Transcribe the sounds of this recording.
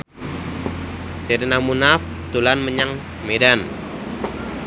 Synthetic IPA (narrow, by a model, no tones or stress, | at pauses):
sednamunaf | t̪ulanməɲaŋ | medan